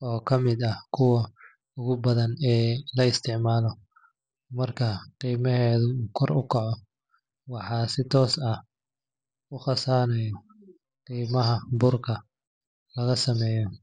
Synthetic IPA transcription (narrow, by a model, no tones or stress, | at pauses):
ɔːkʰɐmɪd̪ɐhkʰʊwɐ | ʊɣʊbɐðɐnɛːlɐɪst̪ʰɪʕmaːlɔ | mɐrkʰɐqiːmɐɦɛːðʊuːkʰɔrʊ̰kʰɐʕɔ | wɑħɑːsɪt̪ʰɔːsɐh | ʊχɑsaːnɛjɔ | qiːmɐɦɐbʊrkʰɐ | lɐɣɐsɐmɛːjɔ